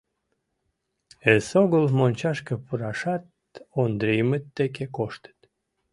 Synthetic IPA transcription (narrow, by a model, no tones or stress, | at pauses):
esoɣəlmonʲt͡ɕɑʃkəpuɾɑʃɑt̪̚ | ond̪ɾejmət̪ːekekoʃt̪ə̥t̪